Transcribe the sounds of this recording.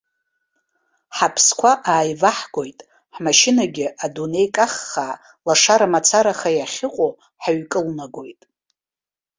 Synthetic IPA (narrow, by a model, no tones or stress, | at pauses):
ħapʰskʷʰaʔaːjvaħɡ̥ʷo̞jtʼ | ħmaʃɪnaɡʲɪʔadune̞jkʼaχːaː | laʂaɾamat͡sʰaɾaχajaχʲɪqʷʼo | ħaɥkʼɨlnaɡʷo̞jtʼ